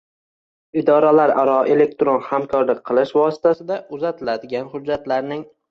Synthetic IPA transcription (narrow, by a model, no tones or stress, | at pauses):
ɪd̪ɒɾalaɾaɾɒʔe̞le̞k̚t̪ɾonhamkʰɒɾlɪk̚ʲqʰɨlˠɪʃvɒsɪ̥t̪ʰasɪd̪aʔʊzat̪ʰɪlad̪ɪɡʲanhʊd͡ʒːat̪laɾnɪŋ